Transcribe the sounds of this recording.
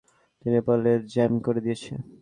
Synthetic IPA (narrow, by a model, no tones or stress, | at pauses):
t̪inepaleɾd͡ʑɛmkoɾed̪ijet͡ɕʰe